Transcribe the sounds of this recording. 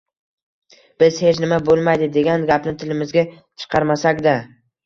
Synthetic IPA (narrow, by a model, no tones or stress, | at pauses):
b̥ɪz̥he̞t͡ʃnɪmabolˠmajd̪ɪd̪e̞ɡʲanɡʲapnɪt̪ʰɪlɪmɪzɡʲa | t͡ʃʰɨ̥qʰɑɾmasakʲd̪a